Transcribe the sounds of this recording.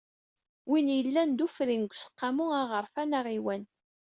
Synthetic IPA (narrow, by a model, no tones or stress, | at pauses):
winjəlːænd̪ufɾinɡʷsə̥qːamuaʁəɾfænaʁiwæn